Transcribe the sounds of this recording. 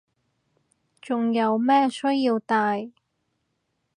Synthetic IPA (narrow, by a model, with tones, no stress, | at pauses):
t͡ʃʊ˨ŋjɐ˨˧wmɛː˥sɵ˥jiː˧wt̪aː˧j